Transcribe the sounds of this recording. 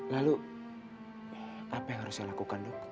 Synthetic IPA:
lalu | apɛŋɦaɾʊsalakukandɔk

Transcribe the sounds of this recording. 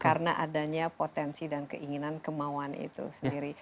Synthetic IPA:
kaɾənaʔadaɲapot̪ɛnsidankəʔiŋinankəmawanḭt̪ṵsəndiɾi

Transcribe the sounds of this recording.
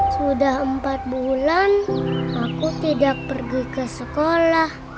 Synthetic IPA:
sudahəmpat̪̚bulanakut̪idak̚pərɡikəsəkolah

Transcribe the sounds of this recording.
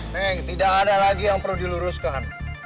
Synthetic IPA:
nɛt̪idakadalaɡijaŋpərludiluɾʊskan

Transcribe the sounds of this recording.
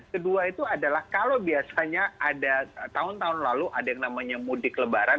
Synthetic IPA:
kəduait̪uadalahkalobiasaɲaadat̪aɦʊnt̪aɦʊnlaluʔadajaŋnamaɲamudɪkələbaɾan

